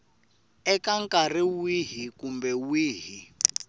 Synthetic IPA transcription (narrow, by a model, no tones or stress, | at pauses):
ɛkaŋkʼariwiɦikumbɛwiːɦi